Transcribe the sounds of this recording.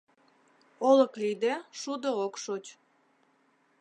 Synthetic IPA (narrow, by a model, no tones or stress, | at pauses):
oləklid̪eʃud̪ookʃot͡ɕ